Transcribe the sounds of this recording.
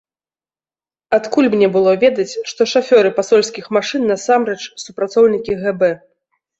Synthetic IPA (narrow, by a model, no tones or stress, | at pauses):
at̪kulʲmnʲɛbɨlˠɔvʲɛd̪ɐt͡sʲʂt̪ɔʂafʲɔɾɨpasɔlʲsʲkʲixmaʂɨnːɐsamɾɛt͡ʂsupɾat̪sɔwnʲikʲiɣɛbɛ